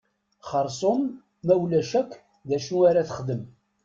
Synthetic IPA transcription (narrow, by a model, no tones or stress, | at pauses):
χəɾˤsˤomː | æwlæʃækː | ðæʃuaɾaθəχd̪əm